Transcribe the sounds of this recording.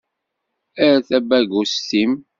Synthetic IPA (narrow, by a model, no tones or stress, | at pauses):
æɾæθæbæɡustim